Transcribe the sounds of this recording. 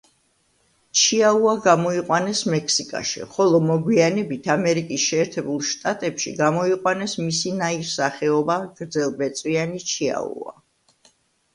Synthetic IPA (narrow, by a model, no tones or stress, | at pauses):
t͡ʃʰiauaɡamɔiqʼwanɛsmɛkʰsikʼa̰ʃḭχɔlˠɔmɔɡwianɛbit̪ʰamɛɾikʼisʃɛːɾt̪ʰɛbulˠʃt̪ʼat̪ʼɛpʃḭɡamɔiqʼwanɛsmisinaiɾsaχɛɔbaɡ̥ɾd̪zɛlˠbɛt̪sʼwianit͡ʃʰia̰ṵa̰